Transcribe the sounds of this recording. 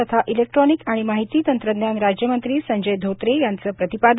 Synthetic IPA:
ət̪ʰaʔilek̚ʈɾɔnikaɽ̃imaɦit̪iːt̪ənt̪ɾəd̪njanɾad͡ʑjəmənt̪ɾiːsəɲd͡ʑejd̪ʱot̪ɾejant͡səːpɾət̪ipad̪

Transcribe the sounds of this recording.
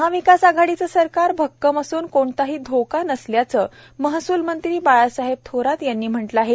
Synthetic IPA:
ɦaʋikasaɡʱaɽit͡səːsəɾkaɾbʱəkːəmasuːnkoɳt̪aɦiːd̪ʱokanəsljat͡səː | məɦsuːlmənt̪ɾiːbajasaɦeb̚t̪ʰoɾat̪janːiːm̤əʈləaɦe

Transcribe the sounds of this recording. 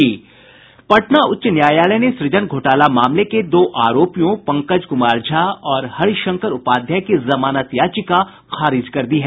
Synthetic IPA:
iː | pɐʈnaʊtːʃnjaːjaːləneʃɾɪd͡ʒənɡʱoːʈaːlamaːmleked̪oːʔaːɾoːpijõpɐ̃ŋkəd͡ʒkʊmaːɾd͡ʒʱaɔːɾhɐɾʃɐ̃ŋkəɾʊpaːd̪ʱjakezɐmaːnat̪jaːt͡ʃika | xaːɾɪd͡ʒkɐɾd̪iɦɛː

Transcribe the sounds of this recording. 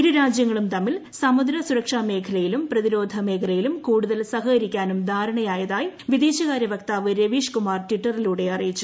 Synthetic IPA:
iɾuɾaːd͡ʑjɐŋːɐɭumt̪ɐmːilsɐmud̪ɾɐsuɾɐkʂaːme̞ːkʰɐlɐjilumprɐðiɾo̞ːd̪ʱɐme̞ːkʰɐlɐjilumkuːɽuðɐlsɐɦɐɐɾikʲːaːnumd̪ʱaːɾɐɳɐjaːjɐðaːjiʋid̪iːɕɐɣaːɾɐʋɐkt̪aːʋɨɾeʋiːʂkumaːrtiʈːɐriluːɽe̞ɐrijit͡ɕːu̥

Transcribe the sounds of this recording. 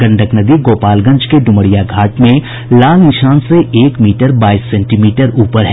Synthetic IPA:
ɡɐ̃ɳɖəknəd̪iɡoːpaːlɡɐ̃ɲd͡ʒkeɖʊməɽijaɡʱaːʈmẽ | laːlnɪʃaːnseʔeːkmiːʈəɾbaːisːɛ̃ːɳʈimiːʈəɾuːpəɾɦɛː

